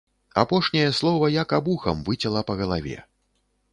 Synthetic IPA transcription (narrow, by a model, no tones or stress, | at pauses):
a̰pɔʂnʲɐjɛslˠɔvɐjakabuxɐ̰mvɨt͡sʲɐlˠɐpɐɣɐlˠavʲɛ̰